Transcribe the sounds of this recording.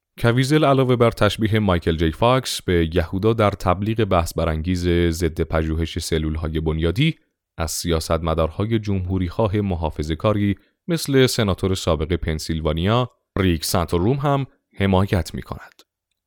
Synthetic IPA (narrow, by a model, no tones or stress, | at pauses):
cʰæviːze̞lælɒːve̞bæɾt̪ʰæʃbiːɦe̞mɒjkʰe̞ld͡ʒejfɒksb̥e̞jæhuːd̪ɒːd̪æɾt̪ʰæbliːɣe̞bæhsbæɾæŋɟiːze̞ze̞d̪ːe̞pʰæʒuːɦe̞ʃe̞selːuːlɦɒːje̞bo̞njɒːd̪iː | ʔæz̥sijɒːsæt̪mæd̪ɒːɾhɒːje̞d͡ʒomɦuːɾiːxɒːɦe̞moɦɒːfe̞ze̞kʰɒːɾiː | me̞sle̞se̞nɒːt̪ʰo̞ɾe̞sɒːbe̞ɣe̞pʰe̞nsilvɒːnijɒː | riksænt̪ʰoɾːumɦæm | he̞mɒːjæt̪ʰmḭkʰo̞̰næd̪̥